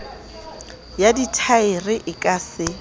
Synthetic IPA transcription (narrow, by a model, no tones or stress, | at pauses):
jaditʰaɪrɪʔɪkʼasɪ